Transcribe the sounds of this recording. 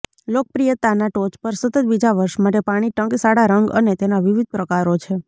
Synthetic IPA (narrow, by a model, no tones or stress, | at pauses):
lok̚pɾijət̪anaʈot͡ʃpəɾsət̪ət̪̚bid͡ʒaʋəɾʃmaʈepaɽ̃iʈəŋksaɽaɾəŋɡə̰net̪enaʋiʋid̪̚ʱpɾəkaɾot͡ʃʰe